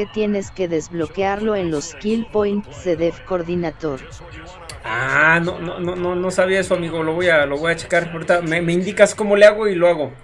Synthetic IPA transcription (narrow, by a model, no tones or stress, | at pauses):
et̪jeneskeðezβlokeaɾlo̞enloskilpojnt̪seðefkoɾðinat̪oɾ | anononononosaβiaesoamiɣoloβojaloβojat͡ʃe̥kaɾpoɾt̪amemeind̪ikaskomoleaɣoiloaɣo